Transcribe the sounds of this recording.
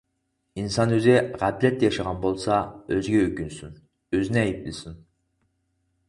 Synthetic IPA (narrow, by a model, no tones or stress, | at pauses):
insɑnøzɪʁæplɛt̪ːɛjɑʃɑʁɑnbolˠsɑøzɡʲɛøkʲynsyn | øzɪnɪɛjip̚ɪlɪsyn